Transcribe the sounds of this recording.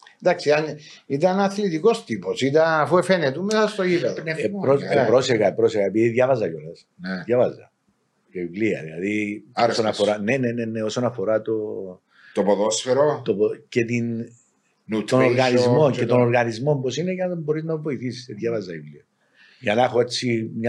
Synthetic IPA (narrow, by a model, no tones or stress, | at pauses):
nd̪aksiɐn | it̪ɐnɐθlit̪iko̞st̪iposit̪ɐnɐfuefenet̪umesɐst̪oipɐðpɾopɾo̞seɾɣɐepɾo̞seɾɣɐepiðiðʝɐvɐzɐcolɐs | nðjɐvɐzɐ̰ | ceivliɐ̰ðilɐ̰ðiosonɐfoɾɐne̞nene̞ne̞o̞sonɐfo̞ɾɐt̪o̞ | t̪opoðosfeɾot̪opcet̪in | t̪onoɾɣɐnizmo̞ncet̪onoɾɣɐnizmo̞mposinecɐnɐðembo̞ɾiznɐvoiθisi̥seðjɐvɐzɐivliɐ | ʝɐnɐexoet͡sːimɲɐ